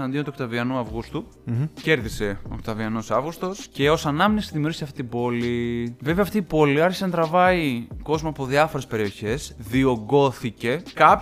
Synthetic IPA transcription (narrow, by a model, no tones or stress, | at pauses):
ɐnd̪iot̪okt̪ɐviɐnuɐvɣust̪u | ce̞ɾðise̞o̞̰kt̪ɐviɐno̞sɐvɣust̪o̞sce̞o̞sɐnɐminest̪iðimiuɾɣisiɐft̪i̥t̪ibo̞live̞veɐft̪iibo̞liɐɾçisɐnt̪ɾɐvɐiko̞zmoɐpo̞ðiɐfo̞ɾe̞spe̞ɾio̞çe̞sðio̞ɡo̞θice̞kɐp